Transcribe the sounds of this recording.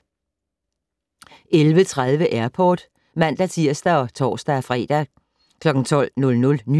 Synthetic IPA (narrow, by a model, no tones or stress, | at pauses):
elʋət͡sʰʁað̞ˠʋəʔæɐ̰pʰɒ̰ːd̥ | mæn̰d̥æt͡sʰiɐ̰sd̥æɒ̽t͡sʰɒ̰ːsd̥æfʁɛ̰ːd̥æ | kʰlɒ̽ɡ̥ŋ̩t͡sʰɒ̽l̰nɔ̽lnɔ̽lny